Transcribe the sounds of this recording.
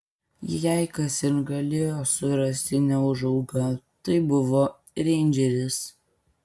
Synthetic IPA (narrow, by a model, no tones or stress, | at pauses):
jæɪkɐsɪɾɡɐlʲeːjoːsʊɾɐsʲt̪ʲɪnʲɛʊʒɐʊɡɐt̪ɐɪbʊʋoː | ɾʲeːnʲd͡ʒʲɛɾʲɪs